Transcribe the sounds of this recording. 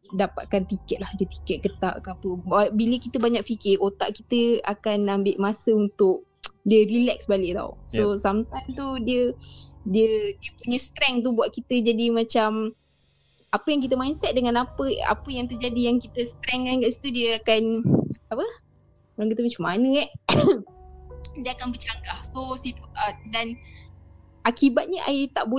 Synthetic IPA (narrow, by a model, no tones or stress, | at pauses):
dapa̰t̪̚kant̪ikɛt̪̚lahdiət̪i̥kɛt̪̚kət̪a̰ʔkapəbabiləkit̪əbaɲak̚fikɪot̪a̰ʔkit̪əakanambɪʔmasəunt̪ʊk̚ | diərilɛk̚sbalɪʔ̚t̪a̰w̰sosamt̪ant̪udiədiədiəpuɲəst̪ɾɛŋt̪̬ubuaʔ̪̚kit̪əd͡ʒadimat͡ʃam | apəjaŋk̬it̪əmajnsɛt̪̚dəŋanapəa̰pəjaŋt̪̬ərd͡ʒadijaŋkit̪əst̪ɾɛŋakaʔsi̥t̪udiəakanapə | ɾaŋkit̪əmat͡ʃamːanə̃ɛ | diəakanbərt͡ʃaŋɡahsosit̪udan | akibat̪̚ɲəʔa̰it̪aʔbu